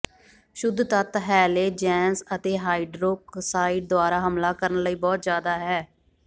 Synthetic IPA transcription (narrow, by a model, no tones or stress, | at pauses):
ʃʊd̪t̪ət̪ɦɛːleːd͡ʒɛːnsət̪eːɦaːiɖɾoːksaːiʈ̚d̪ʊaːɾaːɦəmlaːkəɾənləiːbɔːt̪zjaːd̪aːɦɛː